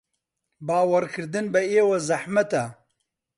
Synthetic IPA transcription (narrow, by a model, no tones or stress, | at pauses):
baːwɐɾkʰɨɾd̪ɨnbɐeːwɐzɐħmɐt̪a